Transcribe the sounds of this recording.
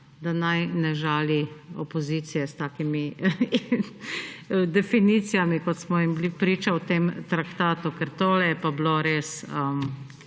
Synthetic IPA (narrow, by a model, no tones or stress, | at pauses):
d̪anajnɛʒaːliɔpɔziːt̪sijɛst̪aːkimi | d̪ɛfiniːt̪sijamikɔt̪smɔimblipɾiːt͡ʃawt̪eːmt̪ɾakt̪aːt̪ukɛɾt̪oːlɛjɛpabloɾeːsəm